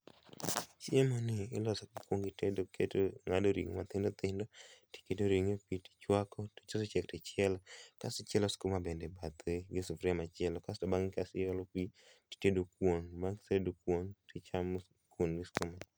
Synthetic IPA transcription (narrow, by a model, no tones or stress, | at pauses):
t͡ʃɪemɔnɪɪlɔsɔkikwoŋɡɪtedokʰetoŋadoɾḭŋmat̪ɪndot̪ɪndoti̥kedoɾiŋepiti̥t͡ʃwakɔti̥t͡ʃosɔt͡ʃɛktɪt͡ʃɛlɔkasɪt͡ʃɛlɔskomabendɛbat̪eɡɪsufɾɛmat͡ʃɪɛlɔkastobaŋɪkasɪjɔlɔpi | ti̥tedokwonbaŋsedokwontɪt͡ʃam | kwonɡɪskoma